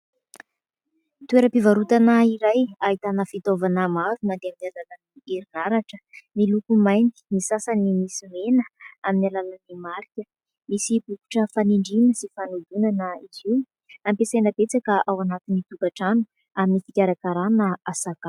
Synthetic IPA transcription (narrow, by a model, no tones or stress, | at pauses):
t̪ueɾəpivaɾut̪anəiɾajaɦit̪anəfit̪ovanəmavimad̪eaminazananieɾinaɾaʈ͡ʂə̥milukumajnd̪i̥nisasanimisimenəaminalanənimaɾikʲə | misib̥uku̥ʈ͡ʂəfaniɳɖ͡ʐinəsifanud̪unanəiziw | ampesajnəbet͡sakəʔawanat̪init̪ukaʈ͡ʂanu̥ | aminifikʲaɾakaɾanəasaka